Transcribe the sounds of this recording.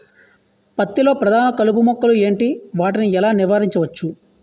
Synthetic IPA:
pɐt̪ːilo̞ːpɾɐd̪ʱaːnɐkɐlupumɐkːɐlue̞ːɳʈiʋaːʈiniɛlaːniʋaːɾiɲt͡ʃɐʋɐt͡ʃːu

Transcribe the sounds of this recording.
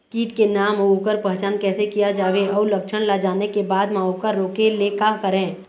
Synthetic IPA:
kiːʈkenaːmoːkəɾpəɦt͡ʃaːnkɛːsekijad͡ʒaːʋeɔːɾləkt͡ʃʰənlad͡ʒaːnekebaːd̪mãokəɾːoːkelekaːɦkəɾẽː

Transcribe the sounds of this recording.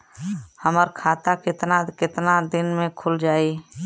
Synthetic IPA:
həməɾkʰaːt̪akɪt̪nakɪt̪nad̪ɪnmẽkʰʊld͡ʒaːi

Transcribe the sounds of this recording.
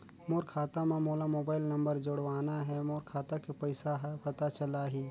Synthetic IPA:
moːɾkʰaːt̪amẽmoːlamoːbaːɪlnɐ̃mbəɾd͡ʒoɽʋaːnaɦɛmoːɾkʰaːt̪akepɛɪsaɦpɐt̪at͡ʃɐlaɦiː

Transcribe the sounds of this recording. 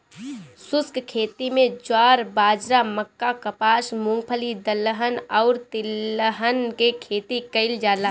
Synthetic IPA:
sʊskkʰeːt̪imẽd͡ʒaːɾbaːd͡ʒɾaməkːakəpaːsmʊ̃ŋɡ̚pʰəlid̪əlːəɦənɔːɾt̪ɪləɦənkekʰeːt̪ikəɪld͡ʒaːla

